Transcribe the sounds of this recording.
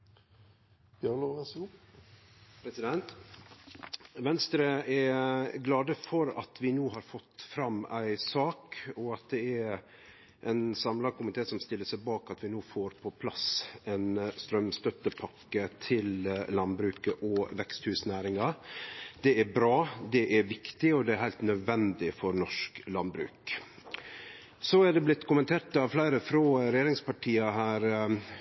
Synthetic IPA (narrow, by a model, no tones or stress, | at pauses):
jɑloʁɛsu | pʰɾɛsɪd̪ɛnt̪ | ʋɛnst̪ɾəɛɡlɑːd̪əfɔɾɑ̰t̪ʰʋɪnuːɦɑːɾfɔt̪ːfɾɑmːæ̰ɪsɑːkɔɑt̪̚d̪ɛæɾ | ʔɛɪnsɑmlɑkʊmɪt̪ʰeːsɔmst̪ɪlːəʂæɪbɑːkɑt̪ʋɪnoːfoːɾpʰɔpʰlɑsɛnst̪ɾœmst̪œt̪ːəpʰɑkːət̪ʰɪllɑnbɾʉːkəʔɔʋɛkst̪hʉːsnæːɾɪŋɑ | d̪̥ɛæbɾɑːd̪ɛʔæɾʋɪkt̪ɪɔd̪ɛæɾhæɪlt̪nœd̪ʋɛnd̪ɪfɔɾnɔʂklɑnbɾʉ̰ːk | sɔæɖɛblɪt̪ːkʊmənt̪ʰeːʈɑʋflæɪɾəfɾɔːɾɛjeːɾɪŋspɑʈʰiːɑɦæːɾ